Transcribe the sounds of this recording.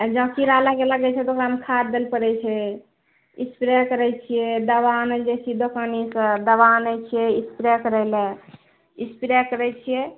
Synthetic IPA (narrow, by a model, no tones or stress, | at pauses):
d͡ʒəbkiɾalakeləɡɛt͡ʃʰɛd̪okɾamkʰaɾd̪elpəɾɛt͡ʃʰɛ | ispɾekəɾɛt͡ʃʰijɛd̪əβanəd͡ʒesʰid̪okanisə̃d̪əβanəjt͡ʃʰijɛispɾekəɾəlɛ̃ | ispiɾekəɾɛt͡ʃʰijɛ